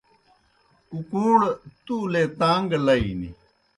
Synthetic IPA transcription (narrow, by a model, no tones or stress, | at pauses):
ukũːɽt̪uːlet̪aːŋɡlɐinḭ